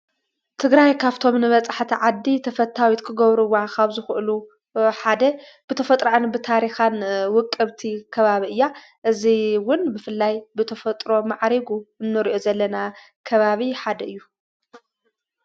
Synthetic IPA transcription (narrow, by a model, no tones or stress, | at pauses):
t̪ʰɨɡɾajkʰaβt̪ʰo̞mnɨβɐt͡sʼaħt̪ʰiʕad̪ːit̪ʰɐfɐt̪ʰːawit̪kʰɨɡɐβɾɨwːakʰaβzɨxɨʔɨlu | ħad̪ɐ | b̥ɨt̪ʰɐfɐt̪ʼɾoʕanbɨt̪ʰaɾixanwʊkʼːɨβt̪ʰikʰɐβaβiʔɨjːa | ʔɨziwʊnbɨfɨlːajbɨt̪ʰɐfɐt̪ʼɾo̞maʕɾiɡuɨnːɨɾiʔo̞zɐlːɐna | kʰɐβaβiħad̪ɐɨjːu